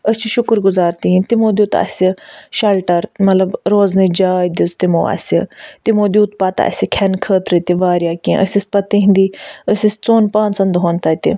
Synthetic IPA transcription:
əsʲt͡ʃʰiʃʊkɾɡʊzaːɾt̪iĩt̪imoːd̪uːt̪ɐ̰sʲiʃɐlʈɐɾmɐt̪lɐbɾoːznid͡ʒaːjd̪ʲizt̪imo̰ːɐ̰sʲit̪imoːd̪ʲjuːt̪pat̪a̰ɐ̰sʲikʲʰɛnkʰəːt̪ɾət̪iʋaːɾjaːkẽʔə̰sʲisʲpɐt̪iɦĩnd̪iːəsʲist͡soːnpaːnsɐnd̪ɦoːnt̪aːt̪ḭ

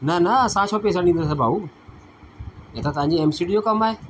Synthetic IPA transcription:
nɐnəsãːt͡ʃʰopeːs̬ãɗĩnd̪os̬abʱaːbu | et̪ʰãt̪ɐʋ̤ãɲd͡ʑiɛmsiːɖiːjokɐmaːɦeː

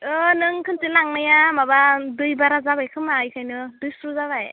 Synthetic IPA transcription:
ɯnɯŋkʰɯntɯlaŋnajamabadɯjbaɾazabajkʰɯmaɯjkʰajnɯdɯjsɾuzaβaj

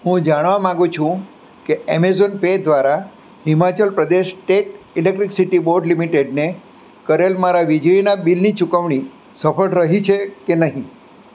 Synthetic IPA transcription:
ɦũd͡ʒaɽ̃ʋamãɡũt͡ʃʰũ | keemezonped̪ʋaɾa | himat͡ʃəlpɾəd̪eʃʈeʈ | ilek̚ʈɾiksiʈiboɾɖlimiʈeɖne | kəɾelmaɾaʋid͡ʒɭinabilnit͡ʃukəʋɳ̃i | səfəɭɾəɦit͡ʃʰekenəɦĩ

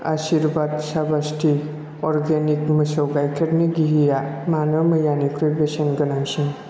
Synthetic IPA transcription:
asiɾbad̪sabastʰi | ɔɾɡenikmɐsɔwɡajkʰeɾniɡiɦijamanəməjanikɾibesənɡɐnaŋsiŋ

